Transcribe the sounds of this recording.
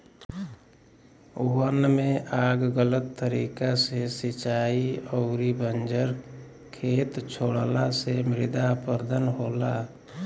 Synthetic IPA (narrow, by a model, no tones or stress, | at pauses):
ʊɦənːmẽʔaːɡɡələt̪ːəɾiːkasesɪt͡ʃaːiɔːɾibənd͡ʒəɾ | kʰeːt̪t͡ʃʰoːɽlasemɾɪd̪apəɾd̪ʱənɦoːlaː